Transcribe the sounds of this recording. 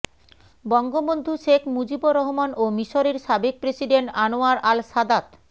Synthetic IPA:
bɔŋɡobond̪ʱuʃekʰmud͡ʑiboɾɔɦomanomiʃoɾeɾʃabek̚pɾesiɖeɳʈanoaɾʔalʃad̪at̪

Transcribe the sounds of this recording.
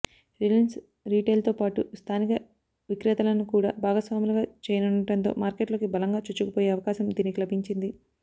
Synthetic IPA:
ɾilins | ɾiːʈeːlt̪oːpaːʈust̪ʰaːnikɐ | ʋikɾɐt̪ɐlɐnukuːɽa̰ːbʱaːɡɐsʋaːmulɐɡaːt͡ʃɛːjɐnunɐʈɐnt̪o̰ːmaːɾkeʈloːkibɐlɐŋɡaːt͡ʃut͡ʃːukupoːjeːɐʋɐkaːʃɐmd̪iːnikilɐbiɲt͡ʃind̪i

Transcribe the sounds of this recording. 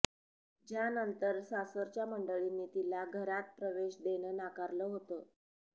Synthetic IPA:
d͡ʑjanənt̪əɾsasəɾt͡ɕjaməɳɖəɭinːiːt̪ilaɡʱəɾat̪̚pɾəʋeɕd̪eɽ̃əːnakaɾləːɦot̪ə

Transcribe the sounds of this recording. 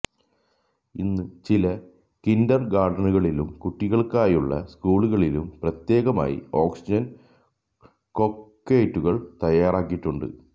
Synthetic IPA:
ḭnːut͡ɕilɐ | kindɐrɡaːɖɐnuɣɐɭilumkuʈːiɣɐɭkaːjuɭːɐ̰skuːɭuɣɐɭilumprɐt̪je̞ːɣɐma̰ːjḭo̞ːksid͡ʑɐn | ko̞kːeːjtːuɣɐɭt̪ɐjaːraːkːiʈːuɳɖɨ̰

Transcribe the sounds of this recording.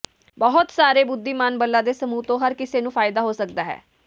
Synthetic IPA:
bəɦʊt̪saːɾeːbʊd̪ːiːmaːnbəlːãːd̪eːsəmuːt̪õːɦəɾkɪseːnũːpʰaːɪd̪aːɦoːsək̚d̪aːɦɛ̰ː

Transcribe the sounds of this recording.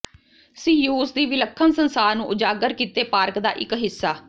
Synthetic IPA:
siːjuːsd̪iːʋɪləkʰːənsənsaːɾnũːʔʊd͡ʒaːɡəɾkiːt̪eːpaːɾkd̪aːʔɪ̰kɦɪsːaː

